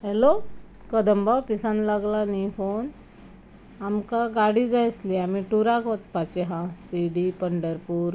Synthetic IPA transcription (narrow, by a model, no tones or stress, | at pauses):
hɛlo | kəd̪əmbapisãnlaɡlanifon | amkaɡaɽid͡zajsliamiʈuɾakʋət͡spat͡ɕeɦãsiɽipəɳɖəɾpuːɾ